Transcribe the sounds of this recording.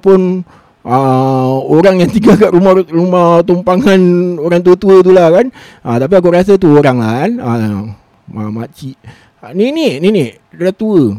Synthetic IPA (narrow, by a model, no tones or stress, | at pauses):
pʊn | ʔə | oɾaŋjaŋt̪iɡakaʔɾumarumaht̪umpaŋanoɾaŋt̪uət̪uət̪̬ulakan | ʔət̪ap̬iakuɾas̬at̪uoɾaŋlakanə | amat͡ʃiʔ | niniʔniniʔ | rət̪uə